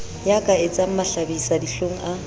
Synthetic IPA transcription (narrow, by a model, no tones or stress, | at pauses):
jakʼaɪt͡sʼam̩maɬabisadiɬoŋ̩ʔa